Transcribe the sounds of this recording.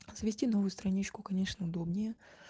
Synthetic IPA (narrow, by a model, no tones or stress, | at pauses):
z̥əvʲɪsʲtʲino̞vʊjʊst̪ɾɐnʲit͡ɕkʊkɐnʲe̞ʂnəʊd̪o̞bnʲɪjə